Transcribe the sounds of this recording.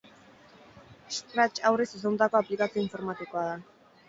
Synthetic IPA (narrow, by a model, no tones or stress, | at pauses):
st̪ɾat͡ʃawresesont̪ako̞aplikat͡sio̞iɱfo̞ɾmat̪ikoaða